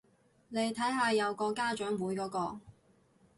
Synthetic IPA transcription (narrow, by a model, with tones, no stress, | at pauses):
ne˨˧jt̪ʰɐ˨˥jɦaː˧jɐ˨˧wkɔː˧kaː˥t͡ʃœː˨˥ŋmuː˨˥jkɔː˨˥kɔː˧